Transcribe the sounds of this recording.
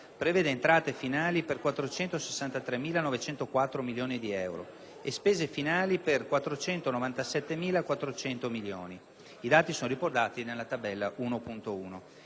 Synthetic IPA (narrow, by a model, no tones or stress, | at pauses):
pɾeveːd̪eːnt̪ɾaːt̪efinaːliperkwat̪ːɾot͡ʃɛnt̪ose̥sːant̪at̪ɾemːiːlanɔvet͡ʃɛnt̪okwat̪ːɾomiljoːnid̪iɛwɾo̰ | espeːzefinaːliperkwat̪ːɾot͡ʃɛnt̪onovant̪asɛt̪ːemiːlakwat̪ːɾot͡ʃɛnt̪omiljo̰ːni | id̪aːt̪isoːnoɾiport̪aːt̪inelːat̪abɛlːaʔuːnopunt̪ouːno